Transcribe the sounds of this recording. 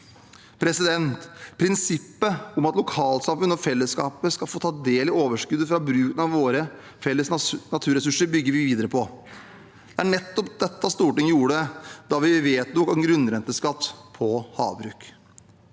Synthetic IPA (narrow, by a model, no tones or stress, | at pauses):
pʰɾɛsɪd̪ɛnt̪pʰɾɪnsɪpːəʊmɑt̪lʊkʰɑːlsɑmfʉnːɔfɛlːəskɑːpəskɑlfoːt̪ʰɑːd̪eːlɪoːʋəʂkʉd̪əfɾɑbɾʉːkənɑʋʋoːɾə | fɛlːəsnɑt̪ʰʉːɾɛsʉʂəɾbʏɡːəɾʋɪʋiːd̪əɾəpʰɔ | d̪̥ɛæɳɛt̪ːɔpd̪ɛt̪ːɑst̪uːʈɪŋjuːəɖɛd̪̥ɑʋɪʋeːt̪̚nɔkɑɡɾʉnɾɛnt̪əskɑt̪ːpʰɔhɑ̰ːʋbɾʉːk